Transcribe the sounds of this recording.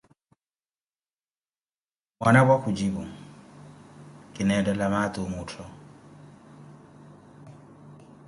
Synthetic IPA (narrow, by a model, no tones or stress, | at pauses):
banabwakʰʊd͡ʒibʊ | kʼɪnɛdɛlamat̪ʼʊmʊːtʰɔ